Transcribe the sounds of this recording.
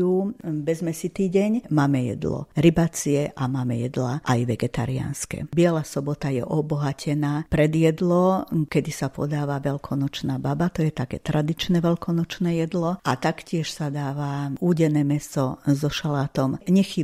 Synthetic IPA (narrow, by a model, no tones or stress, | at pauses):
ubɛzmɛsit̪iːɟɛɲmaːmɛjɛ̰d̪lɔ̰ɾibat͡siɛʔamaːmɛjɛd̪laʔajʋɛɡɛt̪a̰ɾia̰nskɛ̰bɪɛlasɔbɔt̪ajɛ̰ʔɔbɔɦacʰɛnaːpɾɛd̪jɛd̪lɔkɛd̪isapɔ̰d̪aːʋaʋɛlkʰɔnɔt͡ʃnaːbabat̪ɔjɛt̪akɛ̰ːt̪ɾad̪it͡ʃnɛʋɛlkɔnɔt͡ʃnɛjɛd̪lɔʔat̪akcɪɛʃsad̪aːʋauːɟɛnɛːmɛsɔzɔʃalaːt̪ɔmɲɛxi